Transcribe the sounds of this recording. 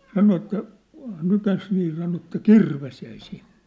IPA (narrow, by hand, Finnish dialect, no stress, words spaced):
sɑno etːæ nykæs niː sɑno etːæ kirʋes jæi sinn̥e̥